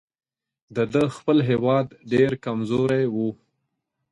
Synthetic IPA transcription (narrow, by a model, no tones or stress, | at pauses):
d̪əd̪əxpəlɦewɑd̪ɖeɾkamzoɾajwu